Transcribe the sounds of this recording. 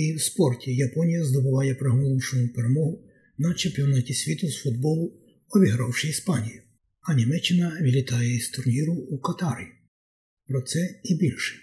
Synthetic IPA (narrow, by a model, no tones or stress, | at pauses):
iwspɔrtʲijɐpɔnʲijɐzd̪ɔbʊʋɑjɛpɾeɦɔmɔlˠunʃɔnʊpeɾemɔɦʊ | nɐt͡ʃempʲiɔnɑtʲisʲʋʲit̪ʊzfʊd̪̚bɔlˠʊ | ɔbʲiɦɾɑwʃɪispɑnʲijʊ | ɐnʲimɛt͡ʃːɪnɐʋʲilʲit̪ɑjɛist̪ʊrnʲiɾʊukɐt̪ɑɾʲi | pɾɔt̪sɛibʲilʲʃɪ̥